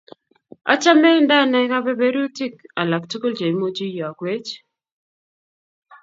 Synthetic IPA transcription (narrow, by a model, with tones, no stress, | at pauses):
a̰˦t͡ʃa˦mɛ˦nda˦˨nɛ˨˦ka˦bɛ˦be˦ɾu˦ti˦k̚a˨la˨ktu˦ko˦ld͡ʒa˨i˨˦mo˦d͡ʒi˦jɔ˨a˨kwe˦t͡ʃ